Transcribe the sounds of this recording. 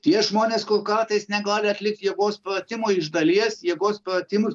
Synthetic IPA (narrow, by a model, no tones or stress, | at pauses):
t̪ʲiɛʒmoːnʲeːskoːkɐrt̪ɐɪsnʲɛɡˠɑːlʲeɐt̪ʲlʲɪk̚t̪jɛɡoːspɾɐt̪ʲɪmoːɪʒd̪ɐlʲiɛsjiɛɡoːspɾɐt̪ʲɪmʊs